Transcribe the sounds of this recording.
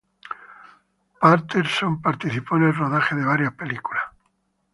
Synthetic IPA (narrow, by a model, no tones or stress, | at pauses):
paɾt̪eɾsompaɾt̪iθiponelroðaxeðeβ̞aɾjapelikula